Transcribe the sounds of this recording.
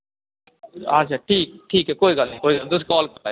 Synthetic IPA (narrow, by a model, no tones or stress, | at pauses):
a̰t͡ʃʰaːʈʰiːk̚ʈʰiːkɦɛkoːiɡɐlnẽkoːiɡɐld̪ʊs̬kɔːlkɐaːj